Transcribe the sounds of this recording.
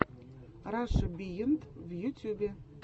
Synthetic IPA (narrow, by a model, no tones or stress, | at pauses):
rɑʃɤ̆bijə̆nt̪vjut̪ʲubʲe